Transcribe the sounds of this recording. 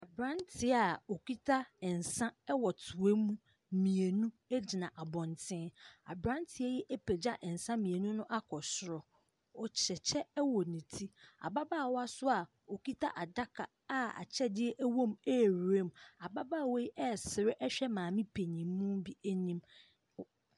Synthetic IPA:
a˨bɾã˦ntʰɪ˨˦a˨o˨ki˦tʰa˦ɛ˨n̩˨sã˦ɛ˦wɔ˨tʰʊ˨e˦mũ˦ | mĩ˨e˨nũ˦ | e˦d͡ʑi˨nã˨ʔa˨bɔ̃˨ntʰɪ̃˦a̰˨bɾã˦n˦tʰɪ˨ɛ˦jɛ˦ʔe˦pʰe˨d͡ʑa˦ʔɛ˨n̩˨sã˦mĩ˨e˨nũ˦nʊ̃˦ʔa˦kʰɔ˨sʊ˨ɾɔ˨ | ɔ˨t͡ɕʰɛ˨t͡ɕʰɛ˦wɔ˨nĩ˨tʰi˦a̰˨ba˦baː˦˨wɔ˦a˦sʊ˦a˨ | o˨ki˦tʰa̰˦ʔa˨da˦kʰa˨ | a˦a̰˨t͡ɕʰɛ˦dɪ˦ɛ˦ʔæ˦wɔ̃˦mɛ˦˨ɾu˨e˦ma˨ba˦baː˦˨wɔ˦ji˦ʔɛ˦˨sɪ˨ɾɪ˦ʔɛ˦ɕᶣɛ˦mãː˨mĩ˦pʰe˨ɲĩ˨mː˦ũ˦bi˦æ˦ɲĩ˦m

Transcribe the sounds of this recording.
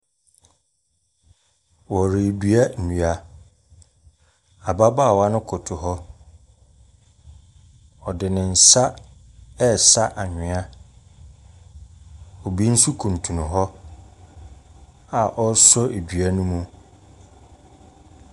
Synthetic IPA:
wɔ˨ɾɪ˨e˨dɥa˦n̩˨ũ˨a˨ | a˨ba˦ba˦˨wa˦nʊ̃˦kʰʊ˨tʰʊ˨ɦɔ˦ | ɔ˨dɪ˨nɪ̃˨n̩˨sa˦ | ɛ˦sa˦ʔa˨ɲᶣɪ̃˨a˦ | ɔ˨bi˦n̩˦su˦kʰũ˨n̩˨tʰũ˨nʊ̃˨ɦɔ˦ | a˨ʔɔ˦sɔ˦e˨dɥa˦nũ˦mũ˦

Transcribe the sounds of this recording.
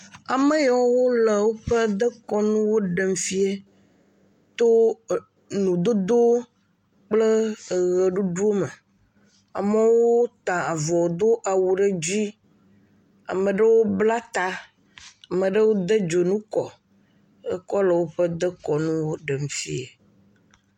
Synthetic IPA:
a˨mə˦jɔ˨˦wwo˦le˨wo˦ɸə˦d̪ə˦kɔ˦nũ˦wo˦ɖə˨m˦fi˦e˨ | t̪o˦ | nũ˨d̪o˦d̪o˦ | k͡plə˦˨ɣə˨ɖu˦ɖu˦o˦mə˨ | a̰˨mə˦wo˦t̪ã˨a˨vɔ˨o˨d̪o˦ʔa˨wu˨ɖə˦d͡ʑi˦ | a̰˨mə̃˨ɖə˦wo˦bla˦t̪a˦ | a˨mə̃˨ɖə˦wo˦d̪ə˦d͡ʒo˨nũ˦kɔ˨ | ə̰˦kɔ˦lə˨wo˦ɸə˦d̪ə˦kɔ˨nũ˦wo˦ɖə˨mfi˦e˨

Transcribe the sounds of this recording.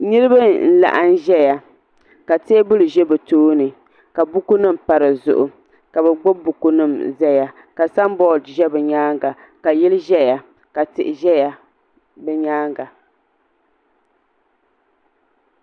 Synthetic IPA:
nɨ˦ɾɨ˦ba˦n̩˦la̰˦˨ʔa˦n˦ʒɛ˦ja˨ | ka˨te˦bʊ˦lɨ˨ʒɛ˦bɨ˨toː˦nɨ˨ | ka˨bʊ˦ku˦nɨ˦m˨pa˨ɾɨ˨zʊ̰˨ʔʊ˨ | ka˨bɛ˨ɡ͡bʊ˦bu˨ku˦nɨ˦˨mzɛ˦ja˨ | ka˨sa˦mbɔ˦ldʒɛ˦bɨ˨ɲaː˦ŋɡa˨ | ka˨jɛ˦lɨ˦ʒɛ˦ja˨ | ka˨tɪ˨ʔɪ˨ʒɛ˦ja˨ | bɛ˦ɲaː˦ŋɡa˨

